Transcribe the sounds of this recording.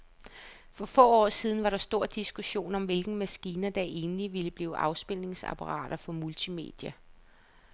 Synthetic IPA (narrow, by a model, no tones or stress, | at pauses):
fɒ̽fɔ̰̽ːɒ̰ːsiːð̞ˠn̩ʋɑ̈ɾɑ̈sd̥o̝ɐ̰d̥isɡ̥uɕo̝̰ːnɒ̽mʋe̝lɡ̥n̩mæsɡ̥iːnɐd̥æʔe̝ːnliʋiləb̥liːʊʔɑ̈ʊsb̥el̰ne̝ŋsɑ̰pʰɑʁɑ̰̈ːɾ̥ɐfɒ̽mult͡sʰime̝̰ːd̥jæ